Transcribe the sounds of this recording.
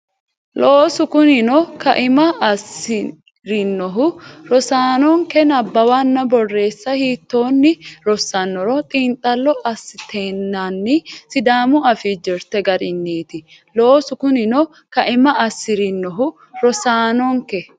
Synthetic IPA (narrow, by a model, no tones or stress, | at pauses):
loːsʊkʊnɪnɔkɐ̰ʔɪmɐɐsɪ | ɾɪnːɔɦʊɾɔsaːnɔŋkɛnɐbːɐwanːɐbɔrːe̞ːsːɐhiːt̪ːoːnːɪɾɔsːɐnːɔɾɔt̪ʼiːnt̪ʼɐlːɔʔɐsːɪt̪ʰeːnːanːɪsɪd̪aːmʊɐfid͡ʒɪɾt̪ɛɡɐɾɪnːiːt̪ɪ | loːsʊkʊnɪnɔ | kɐʔɪmɐʔɐsːɪɾɪnːɔɦʊ | ɾɔsaːnɔŋkɛ